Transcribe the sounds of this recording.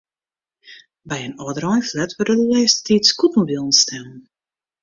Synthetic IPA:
bɛjənɔədəɾɔjflɛtʋərdədəlɛːsttiːskutmobilˠən̩stʰɛmən

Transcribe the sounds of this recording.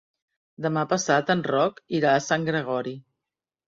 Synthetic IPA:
d̪əmapəsat̪ənrɔkiɾaəsaŋɡɾəɣ̞ɔɾi

